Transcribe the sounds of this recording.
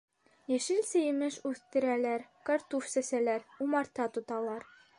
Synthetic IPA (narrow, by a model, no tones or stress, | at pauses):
jæ̆ʃɘlsɘ̆jɘ̆mɘʃʉθt̪ɘ̆ɾælæɾkaɾt̪ufsæsælæɾumɑɾt̪ɑt̪ŏt̪ɑlˠɑɾ